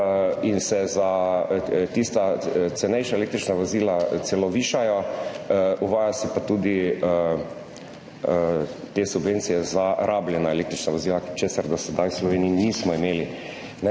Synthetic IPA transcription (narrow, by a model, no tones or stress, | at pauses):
insɛza | t̪ist̪at̪sɛnɛjʃaelek̚t̪ɾit͡ʃnaʋoziːlaseloʋiːʃajɔ | uʋaːjasipat̪uːd̪iə | t̪eːsubʋent̪sijɛzaɾʔaːbljɛnaeleːk̚t̪ɾit͡ʃnaʋoziːlakt͡ʃesaɾd̪ɔsɛd̪ajwslɔʋeːniinismɔimeːli | nɛ